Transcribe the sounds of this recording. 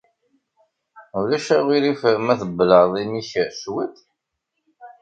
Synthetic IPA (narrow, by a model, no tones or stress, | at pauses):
ulæʃæʁiɾifmæθəbːləðˤiniçswət̪